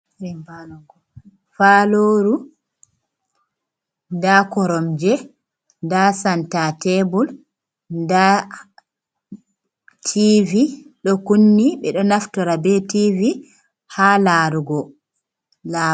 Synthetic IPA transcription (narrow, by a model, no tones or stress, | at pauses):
a | faːloːɾu | ndakɔɾɔmd͡ʒɛ | ndasantatɛbul | nda | tʰiviɗɔkunːiɓɛɗɔnaftɔɾabɛtivi | haːlaːɾuɡɔ | la